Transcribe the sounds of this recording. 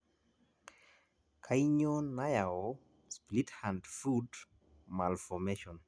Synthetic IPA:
kʰaiɲonːajaɔ | splithandfud | malfɔmeʃɔn

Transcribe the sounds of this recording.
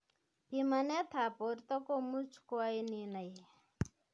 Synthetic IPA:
pimanet̪ʰapoɾt̪ɔkomut͡sʰkoajninaj

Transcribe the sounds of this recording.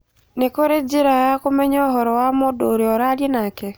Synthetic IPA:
nekoɾed͡ʒɪɾajakomɛɲɔɦɔɾɔwamodoɾeɔɾaɾjenakɛ

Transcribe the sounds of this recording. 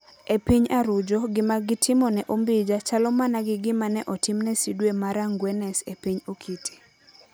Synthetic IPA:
epiɲaɾʊd͡ʒɔɡɪmaɡɪtʰɪmɔnɛʔombid͡ʒat͡ʃalɔmanaɡɪɡɪmanɛʔɔtɪmnɛsidwemaɾaŋɡwɛnɛsepiɲokʰitʰi̥

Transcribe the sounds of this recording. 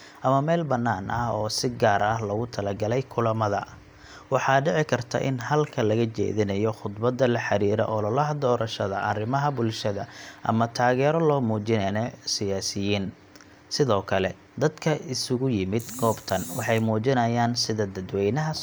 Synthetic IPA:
ʔɐmɐmɛːlbɐnːaːnʔɐhɔːsɪɡaːɾɐhlɐɣʊt̪ʰɐlɐɡɐlɛjkʰʊlɐmɐðɐ | wɑħɑːɖɪʕɪkʰɐrt̪ʰɐ̰ʔɪnɦɐlkʰɐlɐɣɐt͡ʃɛ̰ːðɪnɐjɔχʊd̪bɐd̪ːɐlɐħɑɾiːɾɔ̰ʔɔːlɐlɐɦd̪ɔːɾɐʃɐðɐʔɐrɪmɐɦɐbʊlʃɐðɐʔɐ̰mɐt̪ʰaːɣɛːɾɔlɔːmuːt͡ʃɪnɛnɛsɪjaːsɪjiːn | sɪðɔːkʰɐlɛ | d̪ɐd̪kʰɐɪsʊɣʊjɪmɪd̪ɡɔːbt̪ʰɐnwɑ̰ħɑjmuːt͡ʃɪnɐjaːnsɪðɐd̪ɐd̪wɛjnɐɦɐ

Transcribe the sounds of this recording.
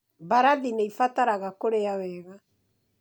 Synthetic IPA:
baɾaðineifataɾaɣakoɾeawɛːɣa

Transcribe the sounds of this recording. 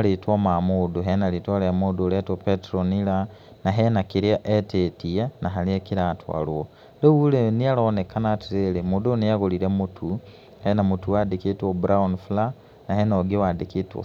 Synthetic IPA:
litwomamuduɦenalitwoɾamuduletopetɾonilanaɦenakiɾjaʔetetianaɦaliekiɾatwa̰lwo | lewulenialonekanatiɾelemudunijaɣoliɾemutʰu | henamutuwadikitwobɾaunfla | naɦenoɡiwadikito̰

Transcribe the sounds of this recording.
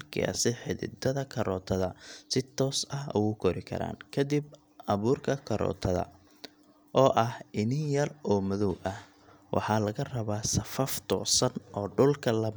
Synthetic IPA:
kʰa̰sɪħɪðɪ̰d̪ɐðɐkʰɐɾɔːt̪ʰɐðɐsɪt̪ʰɔːsɐɦʊɣʊkʰɔɾɪkʰɐ̰ɾa̰ːnkʰɐd̪ib | ʔɐβuːrkʰɐkʰɐɾɔ̰ːt̪ʰɐðɐ̰ | ʔɔːʔɐhɪnɪjɐrɔːmɐðɔwʔɐh | wʔɑ̰ħɑːlɐɣɐrɐβaːsɐfɐft̪ʰɔ̰ːsɐnʔɔːɖʊlkʰɐlɐ

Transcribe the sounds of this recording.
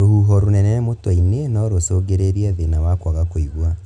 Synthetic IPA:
ɾohuɦɔɾonɛnɛmotainenɔɾwosoːɡeɾeɾiaðenawakwaɣakoiɣwa

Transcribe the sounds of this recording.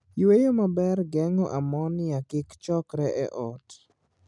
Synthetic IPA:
jwejomabɛrɡɛŋɔʔamɔnɪakɪkt͡ʃɔkɾɛʔɛʔɔt

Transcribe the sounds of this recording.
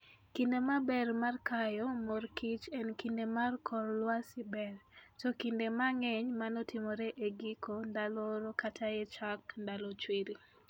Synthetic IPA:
kindemabɛrmarkajɔmorkit͡ʃɛnkindemarkʰɔɾlwasɪbɛrtɔkindemaŋɛɲmanɔtʰɪmɔɾeʔeɡikʰondalɔɾɔkatʰajet͡ʃakndalɔt͡ʃwiɾi

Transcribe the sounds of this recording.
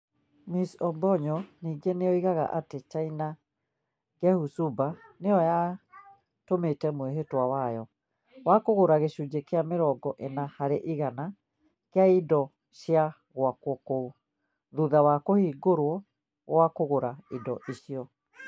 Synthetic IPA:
misɔbɔɲɔniːɡeneɔiɣaɣa̰ʔatet͡ʃaina | ɡɛhusubaneɔja | tometɛmweɦetwawajɔ | wakoɣoɾaɣeʃud͡ʒekeameɾɔɡɔʔenahaɾeʔiɣana | keaidɔ | ɕja | ɣwakwɔko | ðuðawakohiːɡoɾwɔ | ɣwakoɣoɾaidɔʔiʃiɔ

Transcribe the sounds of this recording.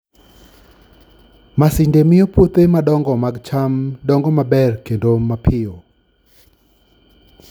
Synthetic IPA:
masɪndemɪjopot̪emadɔŋɡɔmaɡt͡ʃamdɔŋɡɔmabɛrkendomapʰɪo

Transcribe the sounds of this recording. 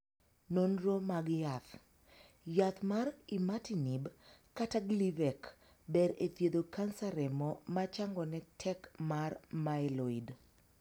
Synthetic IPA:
nonɾomaɡjat̪ | jat̪marimatinibkataɡlivɛk | bɛɾet̪jed̪okansaɾɛmɔmat͡ʃaŋɡɔnɛtʰɛkmarmaɛloid

